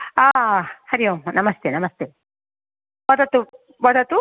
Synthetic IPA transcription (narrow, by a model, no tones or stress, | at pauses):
ahaɾionamast̪enamast̪e | wad̪at̪u | βad̪at̪u